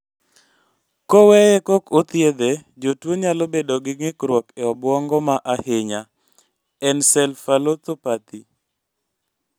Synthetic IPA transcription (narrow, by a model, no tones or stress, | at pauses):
kowɛjɛkokot̪jed̪ed͡ʒotwoɲalobedoɡɪŋɪkɾwɔkɛɔbwɔŋɡɔmaʔahɪɲa | ɛnsɛlfalot̪opat̪i